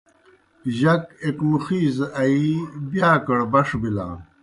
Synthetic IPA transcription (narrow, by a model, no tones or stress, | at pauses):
ʑɐkekmuxiːzɐʔɐibjaːkɐɽbɐʂbilã̰ː